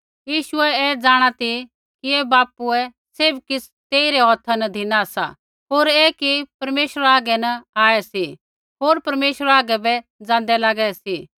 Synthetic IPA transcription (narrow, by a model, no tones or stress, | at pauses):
jiːʃʊɛɛd͡zaːɽ̃at̪i | kiɛbaːpuɛ | sebkɪs | t̪eːiɾɛɦɔt̪ʰanɐd̪ʱinasa̰ | ɦoːɾeːkipɐɾmeːʃəɾaːɡɛnɐaːɛsi | ɦoːɾpɐɾmeːʃəɾaːɡɛbɛd͡zãːn̆d̪ɛlaːɡɛsi